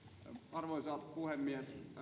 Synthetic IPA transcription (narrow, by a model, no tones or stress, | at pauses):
ɑrʋosɑːt̪ɑpuhemːies